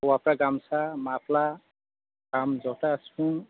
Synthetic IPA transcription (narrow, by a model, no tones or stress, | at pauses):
wapɾaɡamsamapla | ɡamzɔʈasũ